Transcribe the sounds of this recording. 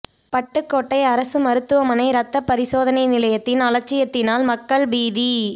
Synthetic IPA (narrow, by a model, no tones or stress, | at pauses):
pɐʈːɯkːoːʈːɐɪɐɾɐsɯmɐɾɯt̪ːɯʋɐmɐnɐɪɾɐt̪ːɐpɐɾɪsoːðɐnɐɪnɪlɐjɐt̪ːɪnɐlɐɾ̚t͡ʃːɪjɐt̪ːɪnaːlmɐkːɐɭbiːði